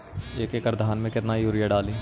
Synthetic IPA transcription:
eːkeːkɐɾd̪ʱaːnmẽkɪt̪naːijuːɾɪjaɖaːlĩː

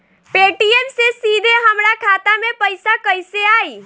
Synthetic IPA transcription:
peʈiemsesid̪ʱeɦəmɾakʰat̪amepəjsakəjseai

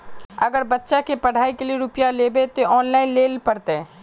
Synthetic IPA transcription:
ɐɡəɾbətːʃakepɐɽ̤aːikelieɾʊpjaleːbet̪oɔːnlaːɪnleːlpɐɽt̪e

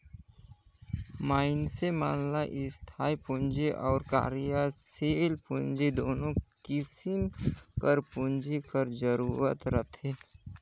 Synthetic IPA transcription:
maːɪnsemaːnlaʔɪst̪ʰaːipʊ̃nd͡ʒeʔɔːɾka̰ːɾijaseːlpʊ̃nd͡ʒed̪oːnõkɪsɪmkəɾpʊ̃nd͡ʒekəɾzəɾuːɾə̰t̪ɾət̪ʰeː

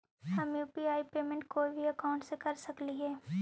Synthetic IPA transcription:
hɐmjuːpiaːipeːmẽɳʈkoːibʱiɐkaʊ̃ɳʈsekɐɾsɐkliɦɛː

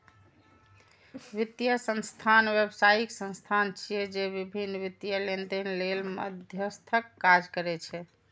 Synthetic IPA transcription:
ʋit̪jəsə̃nst̪ʰanʋjebsaiksə̃nst̪ʰant͡ʃʰijɛd͡ʒeβibʱinːʋit̪jəlend̪enlelmə̰d̪ʱjəst̪ʰəkːad͡ʒkəɾɛt͡ʃʰɛ

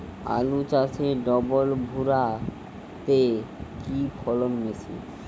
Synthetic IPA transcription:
a̰lut͡ɕat͡ɕʰeɖɔbolbʱuɾa | t̪e | kipʰɔlonmesʰḭ

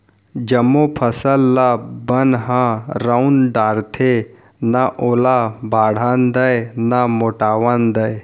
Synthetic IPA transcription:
d͡ʒɐmːopʰəsəlːabənɦãɾaunɖaːɾt̪ʰe | naʔoːlabʱaːɽ̤aːnd̪əjnamoːʈaːʋand̪əj

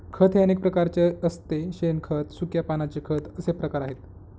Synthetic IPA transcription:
kʰət̪ʰeenek̚pɾəkaɾt͡ɕeəst̪eɕenkʰət̪sukjapanat͡ɕekʰət̪əsepɾəkaɾaɦet̪

